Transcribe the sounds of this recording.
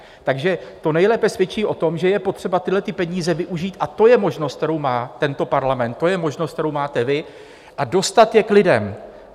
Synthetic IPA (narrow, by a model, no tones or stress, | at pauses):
t̪aɡʒɛt̪o̞nɛjlɛːpɛsvjɛt͡ʃiːʔo̞t̪o̞mʒɛjɛpo̞t̪r̝̥ɛbat̪ɪlɛt̪ɪpɛɲiːzɛvɪʔuʒiːt̪ʔat̪o̞jɛmo̞ʒnost̪̚t̪ɛɾowmaːt̪ɛnt̪o̞paɾlamɛnt̪ːo̞jɛmoʒnost̪t̪ɛɾowmaːt̪ɛvɪ | ʔado̞st̪at̪jɛklɪdɛm